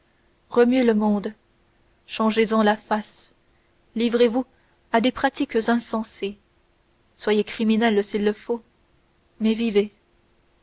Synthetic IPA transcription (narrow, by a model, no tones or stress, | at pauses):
ʁəmɥeləmɔ̃d̪ | ʃɑ̃ʒezɑ̃lafas | livʁevu | ad̪epχat̪ikzɛ̃sɑ̃se | swajekχiminɛlsilːəfo | mɛvive